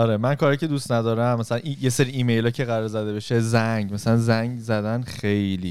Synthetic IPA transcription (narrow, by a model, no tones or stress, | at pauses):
ɒɾemænkʰɒɾɒjcʰe̞d̪ust̪næd̪ɒːɾæmːæsælænʔijese̞ɾiiːmejlɒːcʰe̞ɣæɾɒːɾzæd̪e̞be̞ʃezæŋɟmæsælænzæŋɡzæd̪ænxe̞jliː